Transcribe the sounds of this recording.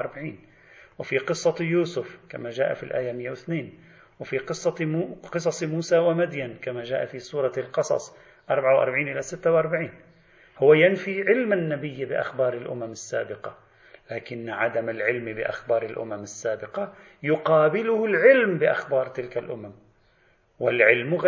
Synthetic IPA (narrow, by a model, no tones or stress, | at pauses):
ʔɑɾˤbaʕiːn | wɪfiqɨsˤːɑjuːsʊfkamaʒaːʔa̰filʔa̰ːjamɪjːawɪθneːn | wɪfiqɨsˤːɑqɨsˤɑsˤmuːsawamad̪jankamaʒa̰ːʔafisˤuːɾˤɑlqɑsˤɑ̰sˤ | ʔɑɾˤbʕawʔɑ̰ɾˤbaʕiːnʔɪlasɪt̪ːawʔɑɾˤbaʕiːn | hʊwːajanfiʕɪlmanːabɪjːbɪʔa̰xbɑːɾˤɪlʔʊ̰mamɪsːa̰ːbɪqɑ | laːkɪnːʕad̪amɪlʕɪlmbɪʔa̰xbɑːɾˤɪlʔʊ̰mamɪsːaːbɪqɑ | jʊqɑːbɪlʊhʊlʕɪlmbɪʔaxbɑːɾˤt̪ɪlkalʔʊ̰mam | wɪlʕɪlmɣ